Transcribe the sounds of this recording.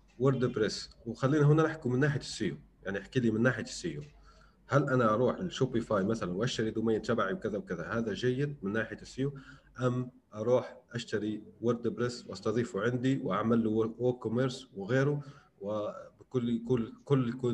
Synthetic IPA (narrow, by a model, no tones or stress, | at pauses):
wɪɾˤd̪bɾɪswxalːiːnaɦʊnːanɪħkumɪnːaːħɪjasːijujaʕniʔaħkiːliːmɪnːaːħɪjasːiju | halʔanaʔɑɾˤuːħɪlʃopifaːjmaθalanwʔaʃt̪aɾid̪umajːnt̪abaʕiwkɪðawkɪðahaːðaʒajːɪd̪̚mɪnːaːħɪjasːijuʔamː | ʔɑɾˤuːħʔaʃt̪aɾiwɪɾˤd̪bɾɪsːwʔɑsˤt̪ɑðˤiːfuʕɪnd̪iwʔaʕmalːuwʔokʊmeɾswɣeːɾu | wbkʊlːkʊlkʊlːjkuː